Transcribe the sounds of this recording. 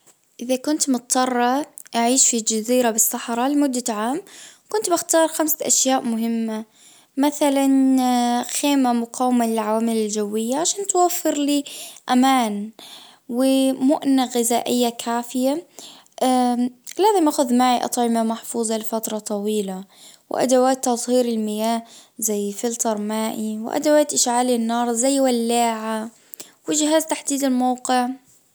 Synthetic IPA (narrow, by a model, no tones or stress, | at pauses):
ʔɪðakʊnt̪mʊt̪ˤːɑrˤːɑʔaʕiːʃfid͡ʒaziːɾabɪsːɑħɾˤɑlɪmʊd̪ːaʕaːmkʊnt̪bɪxt̪ɑːɾˤxamsaʔaʃjaːʔmʊɦɪmːa | maθalan | xeːmamʊqʰɑːwɪmalɪlʕawaːmɪlɪld͡ʒawːɪjːaʕaʃaːnt̪wafːɪɾliːʔamaːn | wɪmʊʔnaɣɪzaːʔɪjːakʰaːfɪja | ʔalaːzɪmʔaːxʊðmaːʔiʔɑ̰t̪ˤʕɪmamaħfuːzˤɑlɪfat̪ɾˤɑt̪ˤɑwiːlawɪ̰ʔa̰d̪awaːt̪ːɑzˤhiːɾɪlmɪjaːhzajːfɪlt̪ɑɾˤmaːʔiwɪ̰ʔa̰d̪awaːt̪ʔɪʃʕaːlɪnːɑːɾˤzajːwalːaːʕa | wɪd͡ʒɪɦaːzt̪aħd̪iːd̪ɪlmawqɪʕ